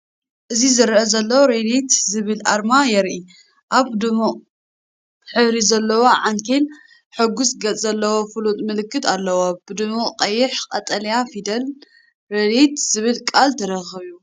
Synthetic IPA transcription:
ʔɨzizɨɾʔɐzɐlːɐwoɾelet̪zɨβɨlʔaɾmajɛɾʔi | ʔaβd̪ɨmu | ħɨβɾizɐlːɐwoʕaŋkʰel | ħɨɡusɡɐt͡sʼzɐlːɐwo̞fɨlut̪ʼmɨlɨkʰːɨt̪ʰʼalːɐwob̥ɨd̪ɨmuqʼɐjːɪħqʼɐt̪ʼɐlɐjafid̪ɐl | ɾelit̪zɨβɨlkʼalt̪ʰɐɾɐxɨβju

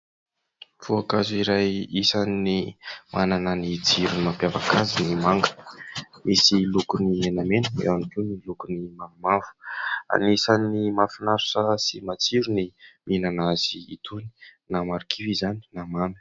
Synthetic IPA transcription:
v̥uakazuiɾajisanːimʔanananid͡ziɾunimapjavakʰazinimaŋɡə̥misilukunimenamenəḛwamikewnilukunimamimafu̥a̰nisanimafunaɾu̥sasimat͡siɾuniminanazḭːt̪ʰuni̥namaɾikʰivizani̥namamə̥

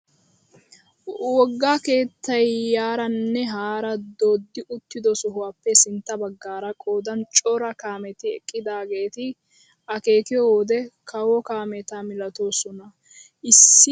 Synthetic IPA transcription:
wɔɡːaːke̞ːt̪ːɐjːaːɾɐnːɛɦaːɾɐd̪oːd̪ːɪʔʊt̪ːɪd̪ɔsʊɦʊwaːpːɛsɪnt̪ːɐbɐɡːaːɾɐkʼoːd̪ɐnt͡ʃʼɔɾɐkaːmɛt̪ɪɛ̰kʼːɪd̪aːɡe̞ːt̪ɪ | ʔɐke̞ːkɪjɔwːd̪ɛkʰɐwɔkaːmɛt̪amɪlɐt̪o̞ːsɔnɐ | ʔɪsːɪ

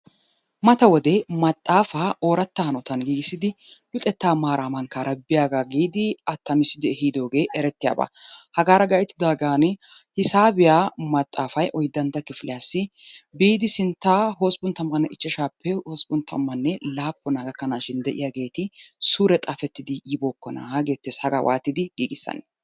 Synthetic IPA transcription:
mɐt̪ɐwɔd̪ɛmɐt̪ʼːaːfaːʔo̞ːɾɐt̪ːɐhɐnɔt̪ɐnɡiːɡɪsːɪd̪ɪ | lʊt̪ʼɛt̪ːaːmaːɾaːmɐŋkaːɾɐbɪjaːɡaːɡiːd̪ɪɐt̪ːɐmɪsɪd̪ɪɛhiːd̪o̞ːɡe̞ːʔɛɾɛt̪ːɪja̰ːba̰ːhɐɡaːɾɐɡɐjɛt̪ːɪd̪aːɡaːn | hɪsaːbɪjaːmɐt̪ʼːaːfɐjʔɔjd̪ːɐnt̪ːɐkːɪfɪlɪjaːsːɪ | biːd̪ɪsɪnt̪ːaːɦoːsbʊnt̪ɐmːɐnːɛʔɪt͡ʃːɛʃaːpʰːɛoːsbʊnt̪ʰɐ̰mːɐnːɛlaːpːɔnaːɡɐkːɐnaːʃɪnd̪ɛʔɪ̰jaːɡe̞ːt̪ɪsuːɾɛt̪ʼaːfɛt̪ːɪd̪ɪjɪboːkːɔna̰aɡe̞ːt̪ːeːshɐɡa̰wʔa̰ːt̪ːɪd̪ɪɡ̥iːɡɪsːɐ̰n

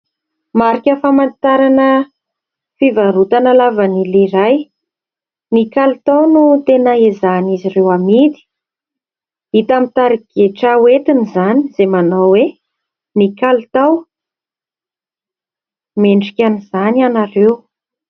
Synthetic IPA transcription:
maɾikʲəfamant̪aɾanə | fivaɾut̪analavaniliɾaj | nikalut̪awnut̪enaizanizirewamid̪i̥ | it̪amit̪aɾiɡ̥eʈ͡ʂawet̪inizani̥z̥emanowwe | nikalut̪aw | meɳɖ͡ʐikʲaniz̥anianarew

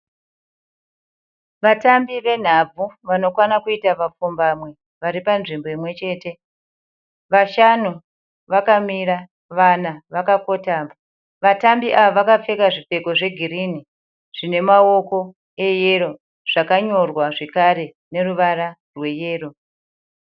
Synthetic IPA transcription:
ʋatambiʋe̞n̤ab͡vʱuʋano̞kwanakuitaʋap͡fumbamwe̞ | ʋaɾipanʐimbo̞imwe̞t͡ʃe̞ːte̞ | ʋaʃanu | ʋakamiɾa | ʋanaʋakako̞taːmba | ʋatambiʔaʋoʋakap͡fe̞kaʐife̞ko̞ʐe̞ɡʱiɾini | ʐ̥ine̞mao̞ko̞ | e̞je̞ɾo̞ | ʐ̥akaɲo̞rwaʐe̞kaɾe̞ | ne̞ruʋaɾa | rwe̞je̞ːro̞

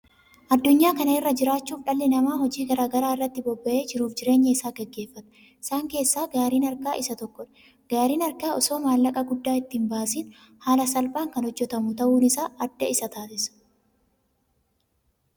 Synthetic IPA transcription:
ʔɐd̪ːʊɲːaːkɐnɐɪrːɐd͡ʒɪɾaːt͡ʃːuːfᶑɐlːɪnɐmaːɦɔd͡ʒiːɡɐɾaːɡɐɾaːɪrːɐt̪ːɪbɔbːɐʔe̞ːd͡ʒɪɾuːfd͡ʒɪɾe̞ːɲːɐɪsaːɡɛɡːe̞ːfːɐt̪ɐ̥ | ɪsaːŋke̞ːsːaːɡaːɾiːnɐɾkaːʔɪsɐt̪ɔkːɔᶑ | ɡ̥aːɾiːnɐɾkaːɔso̞ːmaːlːɐkʼɐɡʊd̪ːaːɪt̪ːiːmbaːsiːn | haːlɐsɐlbaːŋkɐnhɔd͡ʒːɛt̪ɐmʊt̪ɐʔuːnɪsaːɐd̪ːɐɪsɐt̪aːsɪsɐ̥

